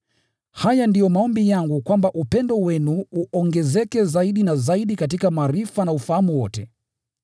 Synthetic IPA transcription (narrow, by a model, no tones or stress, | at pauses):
hajandijɔmaɔmbijaŋɡukwambaʔupɛndɔwɛnuːʔɔŋɡɛzɛkɛzaiɗinazaiɗikat̬ikamaːɾifanaufahamuwɔtɛ